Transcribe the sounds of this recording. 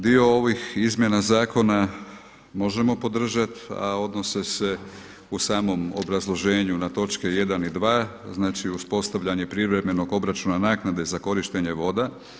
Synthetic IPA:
d̪io̞o̞ʋixizmje̞nazaːko̞na | mo̞ʒe̞mo̞po̞d̪r̩ʒat̪a̰o̞d̪no̞sese̞ | usaːmo̞mo̰bɾazlˠo̞ʒe̞ːɲunat̪o̞t͡ʃkeje̞d̪anid̪ʋaːznaːt͡ʃiuspo̞st̪aʋʎaɲe̞pɾiʋɾe̞me̞no̞ɡo̞bɾat͡ʃunanaːknad̪e̞zako̞ɾiʃt̪e̞ɲe̞ʋo̞d̪a

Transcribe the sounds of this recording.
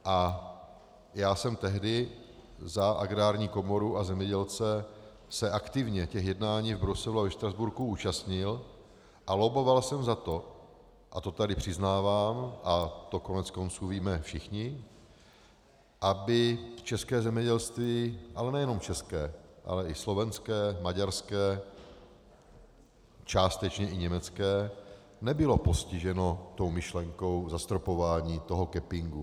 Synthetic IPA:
ʔa | jaːsɛmt̪ɛɦdɪ | zaʔa̰ɡɾaːɾɲiːko̞moɾuʔazɛmɲɛɟɛlt͡sɛ | sɛʔakt̪ɪvɲɛcɛxjɛdnaːɲiːvbɾusɛluavɛʃt̪ɾazbuɾkuuːt͡ʃast̪ɲɪl | ʔalobo̞valsɛmzat̪o̞ | ʔat̪o̞t̪adɪpr̝̥ɪznaːvaːmʔat̪o̞konɛt͡sko̞nt͡suːviːmɛfʃɪxɲɪ | ʔabɪt͡ʃɛskɛːzɛmɲɛɟɛlst̪viːʔalɛnɛjɛno̞mt͡ʃɛskɛːʔa̰lɛʔɪslo̞vɛnskɛːmaɟaɾskɛː | t͡ʃaːst̪ɛt͡ʃɲɛʔɪɲɛmɛt͡skɛː | nɛbɪlo̞po̞scɪʒɛno̞t̪o̞wmɪʃlɛŋko̞wzast̪ɾopo̞vaːɲiːt̪o̞ɦokɛpɪŋɡu

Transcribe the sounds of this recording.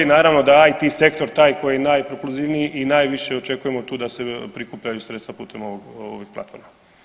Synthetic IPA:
enaːɾaʋno̞d̪aajt̪ise̞kt̪o̞ɾt̪aːjko̞jijenaːjpɾopluziʋnijiʔinaːjʋiʃeo̞t͡ʃe̞kujemo̞t̪uːd̪ase̞pɾikuːpʎajusɾest̪ʋapṵːt̪e̞moʋoɡo̰ʋix̚plˠa̰t̪foɾma

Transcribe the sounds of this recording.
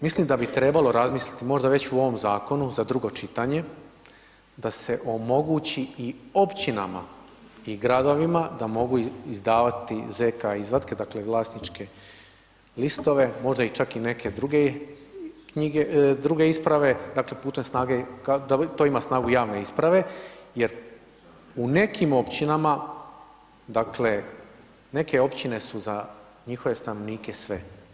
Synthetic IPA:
mislimd̪abit̪ɾe̞balo̞ɾazmiːslit̪imo̞ʒd̪aʋe̞t͡ɕuo̞ʋo̞mzaːko̞nuzad̪ɾuɡo̞t͡ʃit̪aɲe̞ | d̪ase̞ʔo̞mo̞ɡut͡ɕiio̞pt͡ɕina̰ma̰ | iɡɾad̪o̞ʋimad̪amo̞ɡuizd̪aːʋat̪ize̞kaizɾad̪ke̞d̪akle̞ʋlˠaːsnit͡ʃkʰe̞ | list̪o̞ʋe̞mo̞ʒd̪ait͡ʃakine̞kʰe̞d̪ɾuɡe | kɲiɡed̪ɾuɡe̞ispɾaʋe̞d̪akle̞puːt̪emsnaːɡekad̪at̪o̞imasnaːɡujaːʋne̞ispɾaʋe̞je̞ɾ | une̞kʰimo̞pt͡ɕinama | d̪akle̞ | ne̞ke̞opt͡ɕine̞suza | ɲixo̞ʋe̞st̪anoʋniːkesʋe̞

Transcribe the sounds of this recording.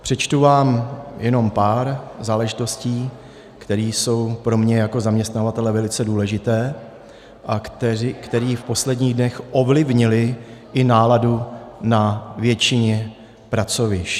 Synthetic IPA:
pr̝̥ɛt͡ʃt̪uvaːmjɛno̞mpaːɾzaːlɛʒɪt̪o̞sciː | kt̪ɛɾiːso̞wpɾo̞mɲɛjako̞zamɲɛst̪navat̪ɛlɛvɛlɪt͡sɛduːlɛʒɪt̪ɛː | ʔaɛkt̪ɛɾiːfpo̞slɛdɲiːɣdnɛxʔo̞vlɪvɲɪlɪʔɪnaːladunavjɛt͡ʃɪɲɛ | pɾat͡so̞vɪʃ

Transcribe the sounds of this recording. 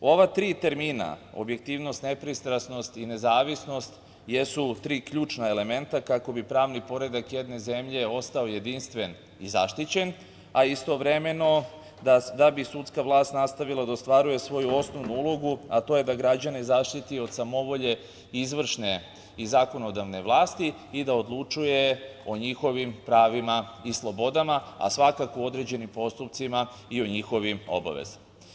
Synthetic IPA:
o̞ʋat̪ɾiːt̪e̞ɾmiːna̰o̞̰bje̞k̚t̪iːʋno̞st̪ne̞pɾist̪ɾasno̞st̪ine̞zaːʋisno̞st̪ | jesut̪ɾiːkʎuːt͡ʃnaele̞me̞nt̪akako̞bipɾaːʋnipo̞ɾe̞d̪akje̞d̪ne̞ze̞mʎe̞o̞st̪ao̞je̞d̪inst̪ʋe̞n | izaʃt̪it͡ɕe̞n | aist̪o̞ʋɾe̞me̞no̞ | d̪ad̪abisut̪skaʋlˠaːst̪nast̪aʋilad̪aost̪ʋaɾuje̞sʋo̞juo̞sno̞ʋnuulˠo̞ɡuat̪o̞ːje̞d̪aɡɾad͡ʑanizaʃt̪it̪io̞d̪samo̞ʋo̞ʎe̞ | izʋr̩ʃne | izaːko̞no̞d̪aʋne̞ʋlˠaːst̪i | id̪aod̪lˠut͡ʂujeo̞ɲixo̞ʋimpɾaːʋimaislˠo̞bo̞d̪amaa̰sʋakakoo̞d̪ɾe̞d͡ʑe̞nimpo̞st̪upt̪sima | ioɲixo̞ʋimo̞̰ba̰ʋḛz̥

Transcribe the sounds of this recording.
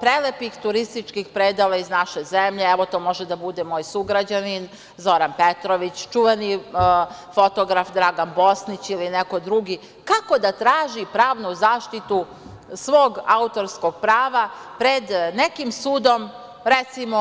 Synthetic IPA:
pɾelepixt̪uɾist̪it͡ʃkixpɾeːd̪alaiznaʃezemʎeeʋo̞t̪o̞ːmo̞ʒed̪abud̪emo̞ːjsuɡɾad͡ʑanin | zo̞ɾanpet̪ɾoʋit͡ɕt͡ʃuʋeni | fo̞t̪oɡɾafd̪ɾaːɡanbo̞snit͡ɕilineko̞d̪ɾuɡi | kako̞d̪at̪ɾaːʒipɾaːʋnuzaːʃt̪it̪u | sʋoːɡaut̪o̞ɾsko̞ɡ̚pɾaːʋapɾe̞d̪nekimsuːd̪o̞m | ɾet̪simo

